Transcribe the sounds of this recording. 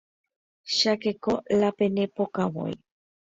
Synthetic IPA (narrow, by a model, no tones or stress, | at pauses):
ʃakekolapenepokawo̰j